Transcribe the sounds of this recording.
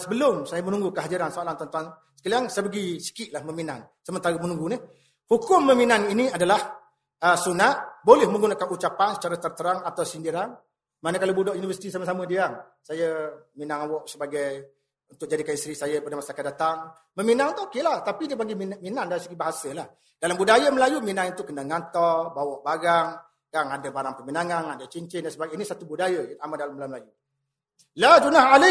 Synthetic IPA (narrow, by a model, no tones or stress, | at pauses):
səbəlʊmsajəmənũŋɡukəɦadiɾansoalant̪ɔnt̪uan | sə̥kaliaŋsajəbəɡisi̥kɪʔlahməminan | səmənt̪aɾəmənũŋɡuni | hukʊmːəminaniniadalah | əsunaʔ̪̚bolɛhmə̃ŋɡunakanut͡ʃapansə̥t͡ʃaɾat̪ərt̪əɾaŋat̪awsindiɾan | manəkalobudɔʔjunivərsi̥t̪isaməsamə̃diaŋ | sajəminaŋawɔʔsəbaɡaj | unt̪ʊk̚d͡ʒadikaist̪ɾisajəpadamasakandat̪aŋ | məminãŋt̪uokelaht̪apidiəpaŋɡimiminaŋdaɾisəɡibaɦasəlah | dalambudajəməlajuminaŋunt̪ʊʔkːənaŋant̪ɔrbawɔʔbaɡaŋ | ɡaŋadəbaɾaŋpəminaŋanadət͡ʃiɲt͡ʃɪndansəbaɡainisat̪ubudajəamadalaməlaməlaju | lad͡ʒunaɦalɪ